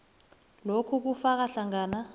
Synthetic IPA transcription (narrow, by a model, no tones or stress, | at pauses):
lokʰuk̬ufak̬aɬaŋaːna